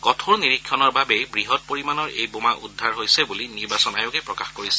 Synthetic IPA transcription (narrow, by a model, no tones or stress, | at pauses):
kɔtʰoɹniɹikʰːjɔnɔɹbabebɹiɦɔt̚poɹimanɔɹḛjbomaʔṵdʱːaɹɦojsɛbuliniɹbasɔnajokɛpɹɔkaxkoɹisɛ̥